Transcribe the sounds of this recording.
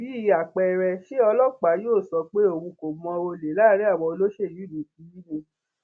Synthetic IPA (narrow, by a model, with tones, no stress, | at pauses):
bi˨˦i˦˨˧a˨k͡pɛ˧˨ɾɛ˧ʃe˦ɔ˧lɔ˦k͡pa˨˦joː˦˨sɔ˧k͡pe˦o˦˨wũ˧ko˨˦ɔ̃˧o˧le˨la˦ɾi˦a˦˨wɔ˧o˧lo˦ʃe˦˨ju˨˦˨du˨tĩ˨˦ji˦bo˦˧